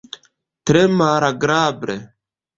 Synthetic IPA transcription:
t̪ɾemaːɾaɡɾaːbɾe

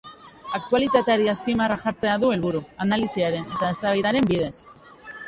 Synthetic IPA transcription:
ak̚t̪ualit̪at̪eaɾiaspimaraʝaɾt͡se̞aðue̞lβuɾuanalisiaɾe̞ne̞t̪aest̪aβajðaɾe̞mbiðe̞s

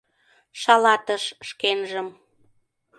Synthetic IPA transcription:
ʃɑlɑt̪əʃʃkenʒəm

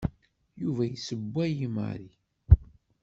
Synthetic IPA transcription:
juvæjisəbʷːæjimə̰ɾi

